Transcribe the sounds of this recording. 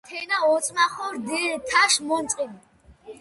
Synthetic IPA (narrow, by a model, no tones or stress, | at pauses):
t̪ʰɛnaɔsʼmaχɔɾd̪it̪ʰaʃmɔnsʼqʼin